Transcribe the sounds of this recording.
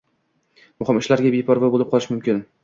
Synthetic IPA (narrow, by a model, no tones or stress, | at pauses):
mʊχɪmɪʃlaɾɡʲabepʰɒɾvabolɪp̚qʰɒlˠɪʃmʊmkʲɪn